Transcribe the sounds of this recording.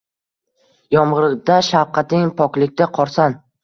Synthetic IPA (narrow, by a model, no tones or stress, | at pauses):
jɒmʁɨɾd̪aʃawqʰɑt̪ɪŋpʰɒkʲlɪk̚ʲt̪aqʰɒɾsan